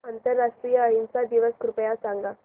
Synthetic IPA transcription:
ant̪əɾːaʂʈɾijəːɦint͡sad̪iʋəskɾupəjasaŋɡa

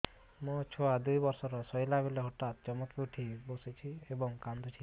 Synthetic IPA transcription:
mɔ̃t͡ʃʰɔad̪ujbɔɾsɔɾɔsɔjlabeleɦɔʈat̪̚t͡ʃɔmɔt̪ɾuʈʰibosit͡ʃʰiebɔŋkand̪ut͡ʃʰi

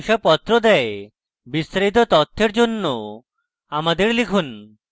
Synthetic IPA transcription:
ʃapɔt̪ːɾod̪ɛe | bist̪aɾit̪ot̪ɔt̪ʰːeɾd͡ʑonːo | amad̪eɾlikʰun

